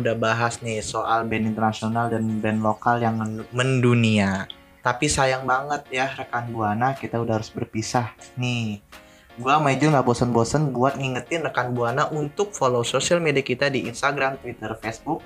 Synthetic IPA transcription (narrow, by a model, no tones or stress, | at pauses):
udahbaɦasnɪhsoʔalbɛnint̪ərnasionaldanbɛnlokaljaŋməməndunia | t̪apisajaŋbaŋət̪̚jarəkanbuanakit̪audahaɾʊsbərpisahnɪ | ɡuamaid͡ʒuŋɡabosənbosənbuat̪̚ŋiŋət̪ɪnrəkanbuanaʔunt̪ʊk̚folososialmediakit̪adiinst̪aɡɾamt̪wit̪ərfesbʊk̚